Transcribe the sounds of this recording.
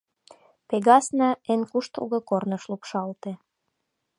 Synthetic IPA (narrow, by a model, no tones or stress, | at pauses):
peɣɑsnɑenkuʃt̪o̰ɣɤ̆kornə̆ʃlupʃɑlt̪e